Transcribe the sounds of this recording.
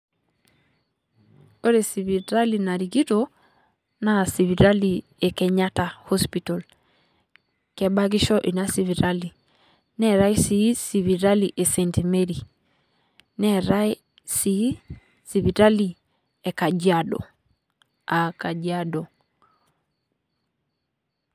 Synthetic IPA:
o˦ɾe˨si˨βi˨ɾa˦li˨na˨ɾi˨ɡi˦to | na˨si˨βi˨ɾa˦li˨ | e˨kɛ˨ɲa˦ta˨ho˦spitɔ˨l | kɛ˨ba˦ɡi˦ʃɔ˦ʔi˨na˦si˨βi˨ɾali˨ | nɛ˦ɾa˦i˦si˦si˨βi˨ɾa˦li˨ʔe˨sɛ˨ntime˦ɾi | nɛ˦ɾa˦ | si˦ | si˨βi˨ɾa˦li˨ | ɛ˨ka˨d͡ʒiadɔ̰˨ | a˨ka˨d͡ʒiadɔ˨

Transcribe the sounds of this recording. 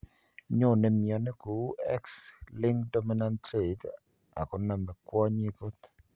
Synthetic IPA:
ɲo˦˨nɛ˨mɪ˨ɔ˨nɛ˦ko˨˦ɛ˦kslɪ˦ŋɡdɔ˦mi˦na˦ntɾe˨t | a̰˨kɔ˨na˨mɛ˨kwɔ˦ɲi˦ɡo˦t̪

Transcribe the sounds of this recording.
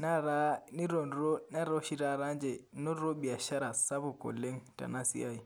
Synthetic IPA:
na˦ɾa˦ni˦ɾo˨nɾo˦na˦ɾɔ˦ʃi˦ɾa˦ɾa˦nd͡ʒɛ˨nɔ˦ɾo˦bi˨a˨ʃa˦ɾa˨sa˦βʊ˨ko̰˨le˦ŋta̰˨na˦sḭ˦a˦i˨

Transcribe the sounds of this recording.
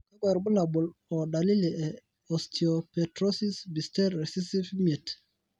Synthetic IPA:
ka˦ɡa˨ɾbʊ˦la˨bʊ˨lɔ˨da˨li˦lɛ˨ɛ˨ | ɔ˨stʰi˨o˨pɛ˨tɾɔ˦si˦sbi˨stɛ˦ɾɾɛ˨si˦si˦fmɛ˨t

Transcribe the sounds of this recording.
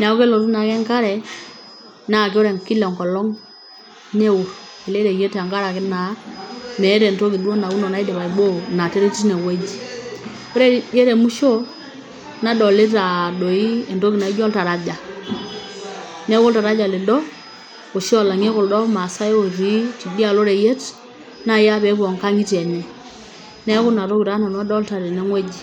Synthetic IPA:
n˨a˨o˦ke˦lɔ˨ɾu˦na˨kɛ˦ŋka˦ɾɛ˨ | na˦˨k̬e˦o˦ɾɛ˨ŋ˨ki˦lɛ˨ŋkɔ˨lɔ˦ŋ | nɛ˦wo˨ɾ | e˨le˦ɾɛ˨je˦ta˨ŋɡa˦ɾa˨kɪ˦na˨˦nɛ˨˦ɾɛ˨nto˦ki˨du˦o˦na˨u˦nɔ˨na˨˦i˦de˨βa˨i˨ɓo˦˨na˨te˦ɾe˦ti˦nɛ˨wɛ˦d͡ʒi˨ | o˦ɾɛ˦ɛ˦ɾɛ˨mu˦ʃo˦ | na˦dɔ˨le˦ɾa˨do˨i˦ɛ˨nto˦ki˨na˨i˦d͡ʒɔ˦lta˨ɾa˦d͡ʒa˨ | nɛ˦ko˦lta˨ɾa˦d͡ʒa˨lɪ˨dɔ˦ | o˨ʃi˦ɔ˨la˨ŋe˦ko˨ldɔ˦ma˨sa˦e˦o˨ɾi˦ti˨bi˦a˨lo˦ɾɛ˨je˦t | na˦ja˦βɛ˨˦kwɔ˨ŋka˦ŋi˦tɛ˨nɛ˦ | nɛ˦kʊ˦na˨ɾo˦ki˨ɾa˦na˨n˦a˦dɔ˦lta˨ɾe˨nɛ˦ŋwɛ˦d͡ʒi˨

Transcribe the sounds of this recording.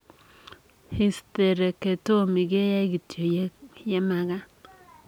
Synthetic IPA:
hi˦ste˨ɾe˨ke˨to˦mi˨ɡe˦ja˦i˦ɡi˨tjo˨˦jɛ˦ma˦ɡa˦

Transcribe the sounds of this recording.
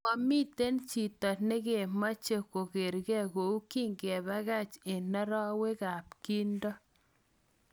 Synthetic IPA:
ma˨mi˦te˦nt͡ʃi˨tɔ˨tne˦ɡe˨ma˦t͡ʃe˨ko˨ɡe˨ɾɡɛ˦˨ɡo˨u˦ki˦ŋɡe˨ba˦ɣa˦t͡ʃe˨nɛ˦ɾɔ˦we˦ɡa˨pki˦ndɔ˦

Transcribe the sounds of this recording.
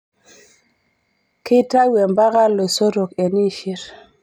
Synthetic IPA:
ki˦ta˦we˨mba˦ɣa˦lːo˨so˦ɾo˨ke˨ni˦ʃi˦ɾ

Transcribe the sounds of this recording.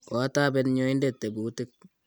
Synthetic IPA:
kɔ˨˦taː˦bɛ˦nɲo˦ɪ˦nde˨tːe˨bu˨tɪ˦k̚

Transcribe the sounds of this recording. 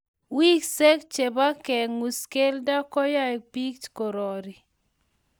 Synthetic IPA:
wi˦ksɛ˦kt͡ʃe˨ba˦kɛ˨ŋu˨ske˦lda˦kɔ˦ja˦j̚pi˦kt͡ʃko˨ɾɔ˨ɾi˨

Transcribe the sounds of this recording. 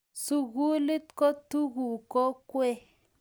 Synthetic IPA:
su˨ɣu˦li˦tko˦tu˦ɣu˨ko˦kwe˦

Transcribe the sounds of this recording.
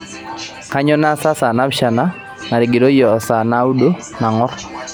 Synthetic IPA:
ka˦ɲɔ˦na˦sa˦sa˨na˦bʃa˨na˦ | na˨ɾɪ˨ɡi˨do˦jɔ˨sa˨na˦u˦do˦ | na˨ŋɔ˦r

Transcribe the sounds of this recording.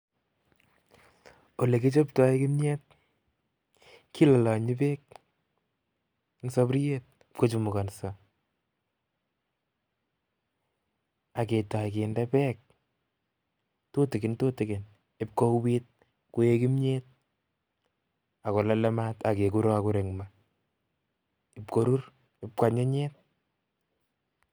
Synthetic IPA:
o˨le˨ke˦t͡ʃo˦pta˦jkɪ˦mɲe˦t̚ | kːi˦la˨lɔ˨ɲɪ˦pe˦k̚ | ŋso˦pɾje˦t̚ | ko˦t͡ʃumʊ˨ka˨nsa˨ | a˨ke˨ta˨jke˨ndɛpɛ˦k̚ | to˦tɪkɪ˨nto˦tɪ˨kɪ˨n | ɪ˦p̚ko˦wit̚ | ku˦je˦ki˦mɲet̚ | a˨kɔ˨la˦lɛ˦mata˨ke˨ku˦ɾɔ˦aku˦ɾe˨ŋma | ɪ˨pko˨ɾu˦r | ɪp̚kwa˨ɲe˦ɲɛt̚

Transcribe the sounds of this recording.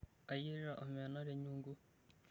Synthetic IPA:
a˨ji˦ɾiɾa˨ʔo˨me˨na˦ɾe˦ɲuː˦ŋɡu˦

